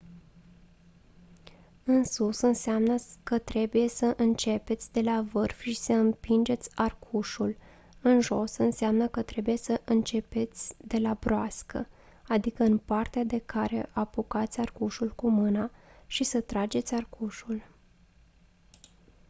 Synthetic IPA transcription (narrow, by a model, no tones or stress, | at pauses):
ɨnsusɨnseamnəkət̪ɾe̞buje̞səʔɨnt͡ʃe̞pe̞t̪sʲd̪e̞lavɨrfʃisəɨmpind͡ʒe̞t̪sʲarkʰuʃul | ɨnʒo̞sɨnseamnəkət̪ɾe̞buje̞səʔɨnt͡ʃe̞pe̞t̪sʲd̪e̞labɾoaskə̰ | ad̪ikəɨnpart̪ead̪e̞kaɾe̞̰ʔapukat̪sʲarkuʃulkumɨnaʃisət̪ɾad͡ʒe̞t̪sʲarkʰuʃul